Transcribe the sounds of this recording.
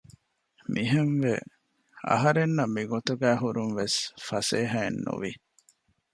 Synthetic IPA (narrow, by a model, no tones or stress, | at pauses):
mʔiɦenʋe | ɐ̰ɦɐɾenːɐmːiɡot̪uɡæːɦuɾunʋesfɐseːɦɐenːṵʋi